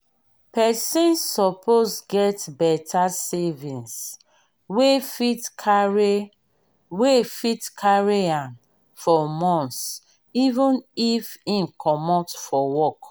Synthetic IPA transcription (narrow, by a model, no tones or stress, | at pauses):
pɛsĩnsːɔpʰosɡɛtbɛtʰasevĩns | wefitkʰaɹ | wefitkʰaɹiãn | fɔmɔ̃ns | ivũnifĩnkʰɔmɔtfɔwɔk